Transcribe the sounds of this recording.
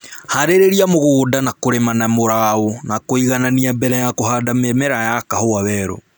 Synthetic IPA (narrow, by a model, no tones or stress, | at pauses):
haɾeɾeɾiamoɣodanakoɾemanamoɾaonakoiɣananiabɛɾajakohadamemɛɾajakahoawɛɾɔ̰